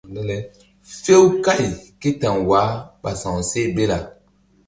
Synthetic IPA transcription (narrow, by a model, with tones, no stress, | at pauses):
le˦le˦ | fe˦wka˦˨jki˦tã˨ŋwa˨˦ɓa˨sã˨se˦be˦la˨